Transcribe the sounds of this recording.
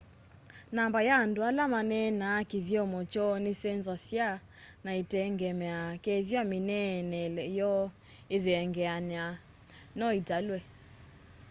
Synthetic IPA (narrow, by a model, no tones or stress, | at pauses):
nambajaːndoalamanɛnakiðjɔmɔt͡ʃɔnesɛnzasja | naetɛŋɡɛmɛakɛðjaminɛnɛlɛjɔ | eðeɛŋɡɛanɛa | nɔitalwɛ